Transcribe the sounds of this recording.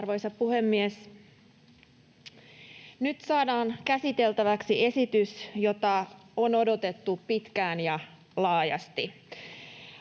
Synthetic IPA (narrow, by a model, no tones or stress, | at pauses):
rʋo̞jsɑpuhe̞mːies | nyt̪sɑːdɑːnkæsit̪e̞lt̪æʋæksie̞sit̪ysjo̞t̪ɑono̞do̞t̪e̞t̪ːupit̪kæːnjɑ | lɑːjɑ̰st̪i